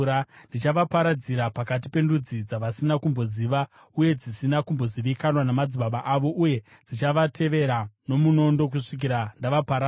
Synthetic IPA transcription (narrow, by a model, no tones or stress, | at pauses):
andit͡ʃaʋapaɾad͡ziɾapakat̬ipe̞ndud͡zid͡zaʋasinakumbo̞ziːʋa | uje̞d͡zisinakumbo̞ziʋikanwanamad͡ziɓaɓaʔaʋo̞ʔuje̞ | d͡zit͡ʃaʋatʰe̞ʋe̞ɾano̞muno̞ndo̞k̬uʂik̬iɾandaʋapaɾa